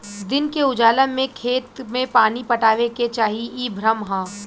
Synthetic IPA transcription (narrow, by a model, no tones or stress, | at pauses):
d̪ɪnkeʊd͡ʒaːləmẽkʰeːt̪mẽpaːnipɐʈaːʋeket͡ʃaːɦiiːbʱɾəmɦãː